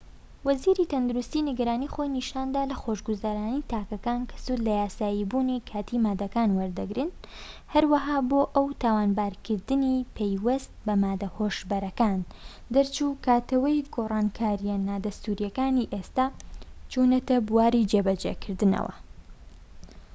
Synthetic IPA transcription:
wɐziɾit̪ʰɐnd̪uɾust̪iːnɨɡɐɾaːnixojniʃaːnd̪aːlɐxoʃɡuzaːɾaːnit̪ʰaːkɐkaːnkʰɐ̥sud̪lɐjaːsaːjibunikʰaːt̪ʰimaːd̪ɐkaːnwɐɾd̪ɐɡɾɨn | hɐɾwɐɦaːboːʔɐwt̪ʰaːwaːnbaːɾkʰɨɾd̪ɨnipʰejwɐst̪̚bɐmaːd̪ɐhoʃbɐɾɐkaːn | d̪ɐɾt͡ʃukaːt̪ɐwɐjɡoːrˤaːnkʰaːɾijɛnaːd̪ɐst̪uɾjɐkaːniʔest̪aːt͡ʃuːnɐt̪ɐbuwaːɾid͡ʒeːbɐd͡ʒḛkʰɨɾd̪ɨnɐ̰wɐ̰

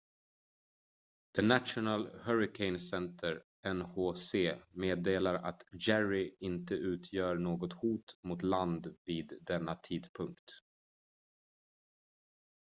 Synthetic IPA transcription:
d̪̥ɛnat̪ʂʊnalhœɾɪkʰɛɪnsɛnt̪ʰəɾ | ɛnhoːseːmeːd̪eːlaɾa̰t̪d͡ʒæɹɪɪnt̪əʔʉ̟ːt̪ʰjœːɳoːɡɔt̪huːt̪mʊt̪land̪viːd̪ːɛnːat̪ʰiːd̪pʰɵŋkt̪

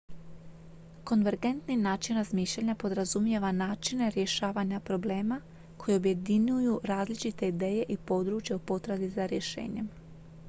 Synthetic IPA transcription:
ko̞nʋe̞ɾɡe̞nt̪ninaːt͡ʃinɾazmiːʃʎaɲapo̞d̪ɾazumje̞ʋanaːt͡ʃine̞ɾje̞ʃaːʋaɲapɾo̞ble̞ːma | ko̞jeo̞bje̞d̪iɲujuɾaːzlit͡ʃit̪e̞id̪e̞ːje̞ʔipo̞d̪ɾut͡ʃjeupo̞t̪ɾad̪izaɾje̞ʃḛːɲe̞m

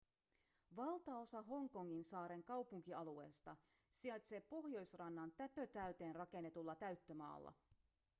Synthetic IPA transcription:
ʋɑlt̪ɑo̞sɑɦo̞ŋko̞ŋːinsɑːɾe̞ŋkɑwpuŋk̟iɑlue̞ːst̪ɑ | siɑjt̪se̞ːppo̞hjo̞jsrɑnːɑnt̪æpø̞t̪æyt̪e̞ːnrɑk̟e̞nːe̞t̪ulːɑt̪æɥt̪ːø̞mɑ̰ːlːɑ̰

